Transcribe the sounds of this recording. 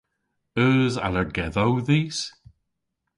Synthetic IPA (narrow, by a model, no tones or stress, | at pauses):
əːza̰ləɹɡɛðawðiːs